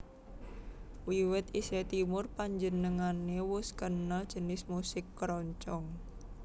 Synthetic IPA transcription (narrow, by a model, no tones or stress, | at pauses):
wiwɪt̪iset̪imʊrpaɲd͡ʒənəŋanewʊskənəld̥ʒ̥ə̤nɪsmusɪkːɾɔɲt͡ʃɔŋ